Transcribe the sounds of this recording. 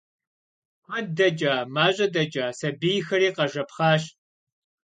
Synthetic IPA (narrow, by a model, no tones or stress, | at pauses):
kʷɐdɐd͡ʒʼaːmaːɕʼɐdɐd͡ʒaːsɐbijxɐɾiːqɐʒɐpχɑːɕ